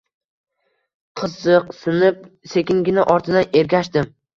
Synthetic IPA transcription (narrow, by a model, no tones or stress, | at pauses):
qʰɨzɨqsɪnɪp̚se̞kʲɪŋɡʲɪnɪʔɒɾt̪ʰɪd̪ane̞ɾɡʲaʃd̪ɪm